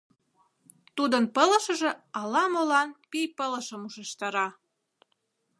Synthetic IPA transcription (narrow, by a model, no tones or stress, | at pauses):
t̪ud̪ənpələ̆ʃə̆ʒĕɑlɑmolɑnpijpələ̆ʃəmuʃeʃt̪ɑɾɑ